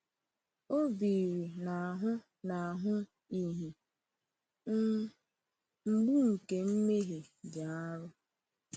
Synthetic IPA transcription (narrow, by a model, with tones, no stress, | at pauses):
o˦bi˨ɾi˨na˨a˨ɦʊ˦ | na˨a˨ɦʊ˦ | i˦ɦi˨˦ | m̩˨ɡ͡bu˦ŋ̩˨ke˨m̩˦me˦ɦe˨d͡ʒa˨a˦ɾʊ˦